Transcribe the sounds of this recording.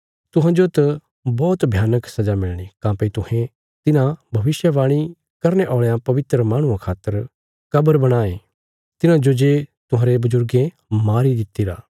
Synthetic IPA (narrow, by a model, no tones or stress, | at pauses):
t̪ʊɦãd͡ʒot̪ɐ | bɔːt̪bʱjaːnəksɐd͡ʒamɪɭɽ̃ikãːpəit̪ʊhẽ | t̪ɪnãbʱɐʋɪsjəʋaːɽ̃i | kɐɾneʔɔːɭejãpɐʋɪt̪ɾəmaːɽ̃ũãkʰaːt̪ːəɾ | kɐbəɾbɐɽ̃aːe | t̪ɪnãd͡ʒod͡ʒet̪ʊɦãːɾebʊzʊɾɡẽ | maːɾid̪ɪt̪ːiɾa̰ː